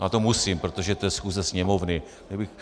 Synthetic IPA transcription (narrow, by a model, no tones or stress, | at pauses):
at̪omusimpɾot̪oʒɛt̪ojɛsxuːzɛsɲɛmovnɪ | nɛbɪx